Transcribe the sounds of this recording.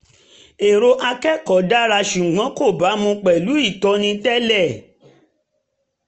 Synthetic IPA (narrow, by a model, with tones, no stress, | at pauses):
e˨ɾo˧ʔa˧kɛ˦kɔ˨da˦ɾa˧ʃu˨ɡ͡bã˨˦ko˦˨ba˨˦mũ˧k͡pɛ˨lu˨˦i˦˨tɔ˧nĩ˧tɛ˦lɛ˦˨